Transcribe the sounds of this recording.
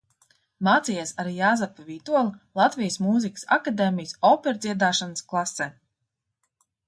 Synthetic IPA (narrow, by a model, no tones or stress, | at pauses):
maːt̪sijesaɾijaːzapaviːt̪uɔlˠilˠat̪vijəsmuːzikə̥sa̰kad̪eːmijəsɔːpɛɾd̪zʲiɛd̪aːʃanəsklˠasːɛː